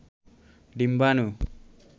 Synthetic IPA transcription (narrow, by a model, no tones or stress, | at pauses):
dimbanu